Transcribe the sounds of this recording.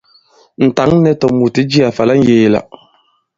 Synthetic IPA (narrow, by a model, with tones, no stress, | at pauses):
n̩˨ta˨˦ŋ˦nɛ˨˦tɔ˨mu˨ti˨˦d͡ʒi˦a˨fa˨la˦ŋ̩˦jeː˨la̰˨